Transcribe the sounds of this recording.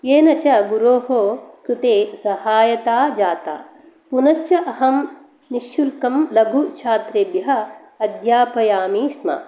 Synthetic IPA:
jeːnɐt͡ʃɐɡuɾoːɦokɾɪt̪eːsɐhaːjɐt̪aːd͡ʒaːt̪a̰ː | punɐʃt͡ʃɐʔɐɦɐm | niʃjulkɐmlɐbʱut͡ʃʰaːt̪ɾeːbjɐɦɐ̆ | ɐd̪jaːpɐjaːmiːʃmɐ̰

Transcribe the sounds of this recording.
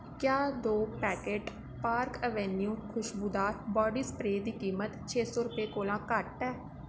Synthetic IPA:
kjaːd̪oːpɛːkeːʈ | paːɾkəʋɛnijũːkʰʊʃbud̪aːbɔːɖiːspɾeːd̪iːkiːmət̪t͡ʃʰeːsɔːɾʊpeːkoːlãːkəʈɛː

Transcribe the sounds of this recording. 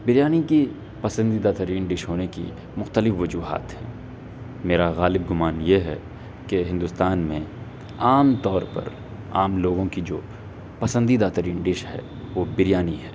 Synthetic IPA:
bɪɾjaːniki | pɐsə̃nd̪id̪aːt̪əɾiːnɖɪʃɦoːnekḭ | mʊxt̪əlɪfʋɐd͡ʒuːɦa̰ːt̪ɦɛː | meːɾaɣaːlɪb̚ɡʊmaːnjeɦɛ̰ | keɦɪ̃nd̪ʊst̪aːnmẽ | aːmt̪ɔːɾpɐ̰ɾ | a̰ːmloːɡõkid͡ʒoː | pɐsə̃nd̪id̪aːt̪əɾiːnɖɪʃɦɛ̰ | ʋoːbɪɾjaːniɦɛː

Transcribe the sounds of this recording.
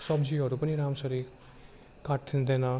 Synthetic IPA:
sɔbd͡ʒiɔɾupɐniɾamsɐɾi | kaʈ̚t̪ʰind̪ena

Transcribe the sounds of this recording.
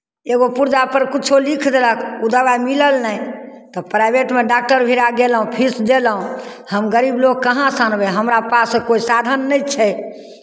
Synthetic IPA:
eɡopuɾd͡ʒapəɾkit͡ʃʰolikʰd̪eləkʰud̪əbamiləlnəjt̪ɔpɾajbeʈmeɖak̚ʈəɾbʱiɾaɡelɦũpʰisd̪elɦũ | həmɡəɾibloɡ̚kəɦãsanbeɦəmɾapasẽkoisad̪ʱənːəjt͡ʃʰɛ

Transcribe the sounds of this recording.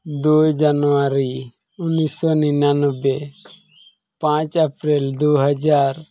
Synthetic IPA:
d̪ujd͡ʒanuwaɾi | unisɔninanɔbe | pãt͡ʃapɾɛld̪uɦad͡ʒaɾ

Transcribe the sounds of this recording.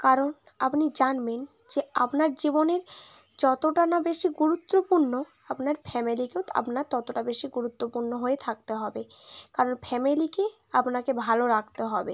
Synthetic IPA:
kaɾon | apnid͡ʑanben | d͡ʑeapnaɾd͡ʑiboneɾ | d͡ʑɔt̪oʈanabeʃiɡuɾut̪ːopuɾno | apnaɾfʰɛmilikea̰pnaɾt̪ɔt̪oʈabeʃiɡuɾut̪ːopuɾnoɦoet̪ʰak̚t̪eɦɔbekaɾonpʰɛmilikeapnakebʱaloɾakt̪eɦɔbe

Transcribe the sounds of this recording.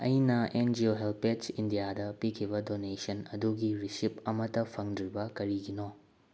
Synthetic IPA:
ɐ̰jnɐend͡ʒioɦelpet͡ʃindijadɐpikʰibɐdonesɐnɐduɡiɾisipɐmɐtːɐpʰɐŋdɾibɐkɐɾiɡino

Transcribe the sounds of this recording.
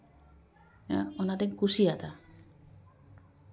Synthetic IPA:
onad̪eŋkusiat̪a

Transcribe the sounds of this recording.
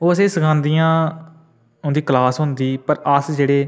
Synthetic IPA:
oːəsẽːsəkʰãːnd̪iːjãː | ʊ̃nd̪iːklaːsɦʊ̃nd̪iːpəɾəsd͡ʒeːɽeː

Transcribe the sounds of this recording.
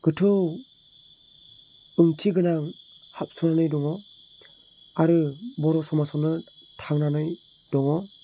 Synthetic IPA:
ɡ̥ɯtʰɯw | ɯŋtʰiɡɯnaŋ | hap̚sunanɯjdɔŋɔ | aɾɯbɔɾɔsɔmasɔnɯtʰaŋnanɯj | d̥ɔŋɔ

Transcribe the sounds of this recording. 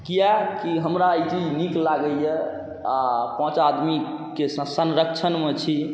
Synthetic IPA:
kijakiɦəmɾaəjt͡ʃid͡ʒʱniklaɡəjɛ | apãt͡ʃad̪mi | kesəsənɾək̚t͡ʃʰənmet͡ʃʰi

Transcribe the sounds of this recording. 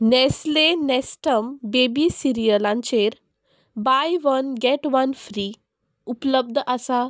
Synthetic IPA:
nɛslenɛsʈəmbebisiɾijəlãɲt͡ɕeɾ | bajʋənɡɛʈʋənfɾi | upləb̚d̪ʱʔasa

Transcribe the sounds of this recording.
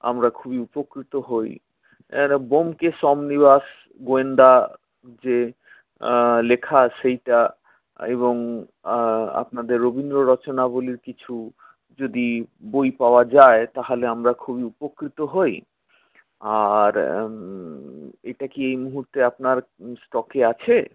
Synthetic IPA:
a̰mɾakʰubiupokɾit̪oɦoj | bomkeʃɔmnibas | ɡoend̪a | d͡ʑe | lekʰaʃejʈa | ḛβoŋ | a̰pnad̪eɾːobind̪ɾoɾɔt͡ɕonaboliɾkit͡ɕʰu | d͡ʑod̪ibojpaoad͡ʑaet̪aɦoleamɾakʰubiupokɾit̪oɦoj | aɾ | eʈakiejmuɦuɾt̪eapnaɾsʈɔkeat͡ɕʰe

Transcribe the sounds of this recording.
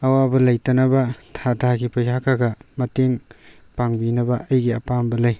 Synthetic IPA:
ɐwabɐlɐjtɐnɐbɐtʰatʰaɡipɐjzakʰaɡamɐteŋ | paŋbinɐbɐʔɐjɡiɐpambɐlaj

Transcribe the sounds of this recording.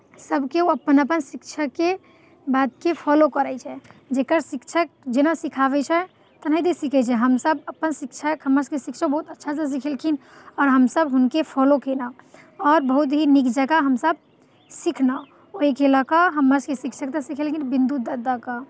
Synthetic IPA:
səbkeoəpːənəpənsikt͡ʃʰəkːe | bad̪̚kepʰɔlokəɾɛt͡ʃʰɛd͡ʒekəɾsikt͡ʃʰək̚d͡ʒenasikʰaβɛt͡ʃʰɛ | t̪ənaɦid̪esikʰɛt͡ʃʰɛɦəmsəbəpːənsik̚t͡ʃʰəkɦəmːəɾskesikt͡ʃʰək̚bəɦut̪ətːʃʰasəs̬ikʰelkʰinɔːɾɦəmsəbɦunkepʰɔlokenə | ɔɾbəɦut̪̬ɦinikd͡ʒəɡaɦəmsəb̚ | sikʰna | oɦikeləkəɦəmːəskesikt͡ʃʰək̚t̪əsikʰelkʰinbĩnd̪ud̪əd̪akə

